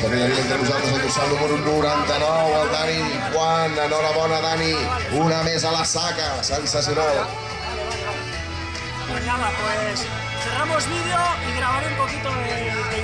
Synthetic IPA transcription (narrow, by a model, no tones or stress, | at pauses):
t̪əɾminaɾement̪ɾənuzalˠt̪ɾezalˠt̪usalnuməɾunuɾant̪anɔwalˠd̪ani | kwananɔɾaβɔnaðaniunamezalasakasensas̬junal | oʎamapwes | seɣamozβiðeoiɣɾaβaɾumpokit̪ome